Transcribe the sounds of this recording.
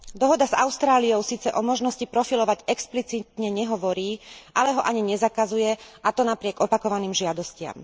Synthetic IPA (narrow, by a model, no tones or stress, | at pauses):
d̪ɔɦɔd̪aza̰ʊst̪ɾaːlijɔʊsiːt͡sɛʔɔmɔʒnɔscipɾɔfilɔʋaɟɛksplit͡sit̪ɲɛɲɛɦɔʋɔɾiːʔalɛɦɔʔaɲiɲɛzakazujɛʔat̪ɔnapɾɪɛɡɔpakɔʋaniːmʒɪad̪ɔscɪa̰m